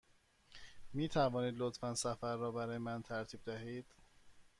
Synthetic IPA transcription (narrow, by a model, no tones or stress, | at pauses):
miːt̪ʰævɒːniːd̪lot̪ʰfænsæfæɾːɒːbæɾɒːjemænt̪ʰæɾt̪ʰiːb̚d̪æɦiːd̪̥